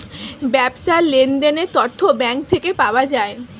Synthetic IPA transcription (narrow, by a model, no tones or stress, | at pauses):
bɛbʃalend̪enet̪ɔɾt̪ʰːobɛŋk̚t̪ʰekepaoad͡ʑae